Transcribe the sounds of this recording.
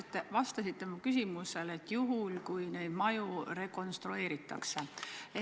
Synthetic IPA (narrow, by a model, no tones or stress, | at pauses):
t̪ːˑevɑst̪ɑsit̪ːe̞mukys̬ʲimuse̞le̞t̪ːjuɦulkujne̞jd̪̥mɑjuɾe̞ko̞nst̪ɾue̞ːɾit̪ːˑɑ̰ksee